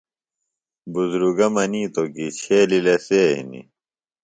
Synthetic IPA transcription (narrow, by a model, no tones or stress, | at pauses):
buzɾuɡɐmɐniːt̪okit͡ɕʰeːlilɐseːɦḭnḭ